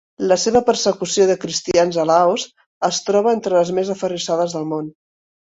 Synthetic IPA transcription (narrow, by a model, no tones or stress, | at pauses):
ləseβəpəɾsəkusioðəkɾist̪ianzəlaoz | əst̪ɾɔβ̞əent̪ɾələzmezəfərisaðəzðəlˠmon